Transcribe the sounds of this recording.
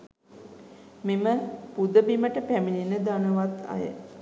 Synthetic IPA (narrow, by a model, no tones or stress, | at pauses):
miməpud̪əbiməʈəpæmininəd̪anəʋat̪a̰jə̰